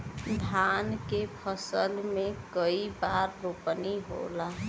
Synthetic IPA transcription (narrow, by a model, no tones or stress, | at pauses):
d̪ʱaːnkepʰəsəlmẽkəibaːɾːopəniɦo̰la